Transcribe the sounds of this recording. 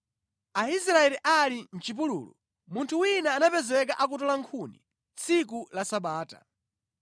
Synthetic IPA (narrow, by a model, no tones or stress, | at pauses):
aisɾaɛliʔalin̩t͡ʃip̬ulṵːlṵ | muntʰuwinaːnapɛzwɛk̬aʔakutɔlaŋkʰunḭ | t͡sʰik̬ulasaɓaːta̰